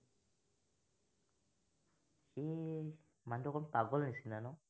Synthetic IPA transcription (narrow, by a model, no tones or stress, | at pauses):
xi | mandɔkɔnpaɡɔlnisinanɔ